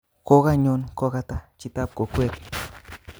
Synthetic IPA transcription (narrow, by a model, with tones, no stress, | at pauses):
ko˦ɣa˦ɲo˧nko˧ɣa˧t̪a˦t͡ʃi˨t̪a˦p̚ko˨kwe˦p